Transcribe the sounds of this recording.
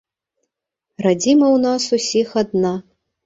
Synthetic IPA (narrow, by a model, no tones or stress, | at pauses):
rad͡zʲimɐwnasusʲixad̪na